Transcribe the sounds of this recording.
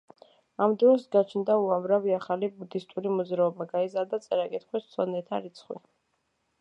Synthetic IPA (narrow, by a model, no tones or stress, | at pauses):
amd̪ɔɔsɡat͡ʃʰnd̪auamɾaviaχalibud̪ist̪ʼuɾimɔd̪zɾaɔbaɡaizaɾd̪at̪sʼɛɾakʼit̪χwissʰwɔnɛt̪ʰaɾit̪sʰχwḭ